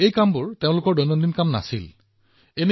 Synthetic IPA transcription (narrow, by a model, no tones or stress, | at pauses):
ejkambʊɹteʊ̃lʊkɔɹdɔjnɔndinkamna̰sil | ene